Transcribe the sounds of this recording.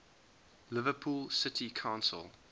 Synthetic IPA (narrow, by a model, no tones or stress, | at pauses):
lɪvəpʰuːlˠsɪtʰikʰãʊ̃nsə̰lˠ